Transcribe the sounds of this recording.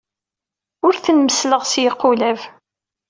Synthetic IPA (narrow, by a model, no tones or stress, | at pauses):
ʊɾθənməsləʁsjəqːʊlæv